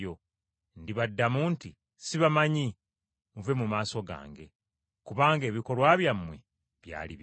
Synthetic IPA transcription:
o | ndiβadːamunti | siβamaɲi | muve̞mumaːso̞ɡa̰ːŋɡe̞̰ | kuβaːŋɡe̞ːβiko̞lwaːβjamːwe | βja̰ːlḭβ

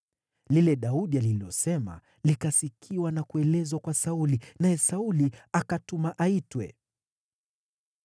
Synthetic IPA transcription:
lilɛɗauɗialiliɔsɛma̰ | likasikʰiwanakuɛlɛzwakwasaulinajɛsauliakatumaʔaitwɛ̰

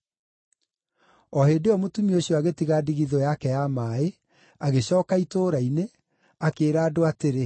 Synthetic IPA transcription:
ɔɦedeɔmotumioɕjɔaɣetiɣadiɣiðɔjakɛjamaːe | aɣeɕɔːkaitoːɾaine | akeːɾaːdoateɾe

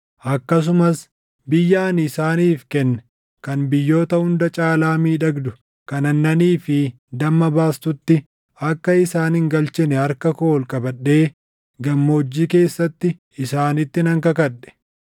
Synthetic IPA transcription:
ʔɐkːɐs̬ʊmɐs | bɪjːaːnɪsaːniːfkɛnːɛ | kɐnbɪjːo̞ːt̪ɐʊnd̪ɐt͡ʃʼaːlaːmiːᶑɐɡd̪ʊ | kɐnɐnːɐniːfɪ | d̪ɐmːɐbaːst̪ʊt̪ːɪ | ɐkːɐɪsaːnhɪŋɡɐlt͡ʃɛnɛɐɾkɐkoːlkʼɐbɐɗːe̞ː | ɡɐmːo̞ːd͡ʒːiːke̞ːsːɐt̪ːɪ | ɪsaːnɪt̪ːɪnɐŋkɐkɐᶑɛ̥

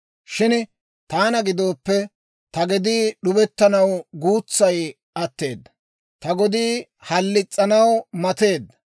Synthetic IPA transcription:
ʃɪn | t̪aːnɐɡɪd̪o̞ːpːɛ | t̪ɐɡɛd̪iːɗʊbɛt̪ːɐnɐwɡuːt͡sːɐj | ʔɐt̪ːe̞ːd̪ːɐ | t̪ɐɡɔd̪iː | hɐlːɪt͡sʼːɐnɐwmɐt̪e̞ːd̪ːɐ

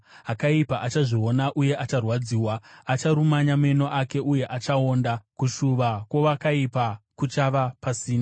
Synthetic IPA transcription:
akaipaʔat͡ʃaʐio̞naʔuje̞ʔat͡ʃarwad͡ziːwaːt͡ʃaɾumaɲame̞no̞ʔake̞ʔuje̞ʔat͡ʃao̞ːndakuʃuʋakwo̞ʋakaipakut͡ʃaʋapasiːna

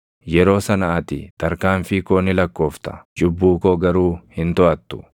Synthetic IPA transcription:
jɛɾo̞ːsɐnɐɐt̪ɪ̰t̪ɐɾkaːnfɪkoːnːɪlɐkːo̞ːft̪ɐ̥d͡ʒʼʊbːuːkoːɡɐɾuːhɪnt̪ɔʔɐt̪ːʊ̥

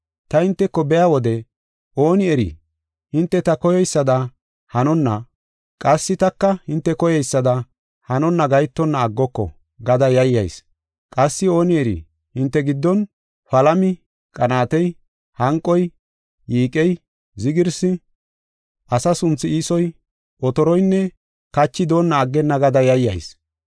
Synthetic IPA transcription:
t̪ɐhɪnt̪ːɛkːɔbɛjawɔd̪ɛ | ʔo̞ːnɪɛɾḭ | hɪnt̪ːɛt̪ɐkɔjɛjsːɐd̪ɐ | hɐnɔnːɐ | kʼɐsːɪt̪ɐkːɐhɪnt̪ːɛkɔjɛjsːɐd̪ɐ | hɐnɔnːɐɡɐjt̪ːɔnːɐːɡːɔkːɔ̰ | ɡɐd̪ɐjɐjːɐ̰js | kʼɐsːɪo̞ːnɪɛɾḭ | hɪnt̪ːɛɡɪd̪ːɔn | fɐlɐmɪ | kʼɐnaːt̪ɛj | hɐŋkʼːɔj | jiːkʼɛj | zɪɡɪɾsɪ | ʔɐsɐsʊnt͡sːɪiːsɔj | ɔt̪ɔɾɔjnːɛ | kɐt͡ʃːɪd̪o̞ːnːɐːɡːɛnːɐɡɐd̪ɐjɐjːɐ̰js

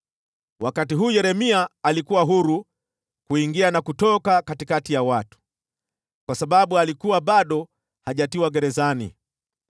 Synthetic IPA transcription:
wʔakatiɦuːjɛɾɛmiaːlikuwaɦuɾu | kuiŋɡianakutɔkakatikatijawatu̥ | kwasaɓaɓualikuwaɓaɗɔ | haʄatiwaɡɛɾɛzanḭ

